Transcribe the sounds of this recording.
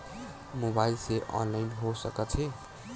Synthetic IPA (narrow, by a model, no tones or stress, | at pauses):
mobajlseʔɔ̰nlajinɦosʌkʌt͡sʰe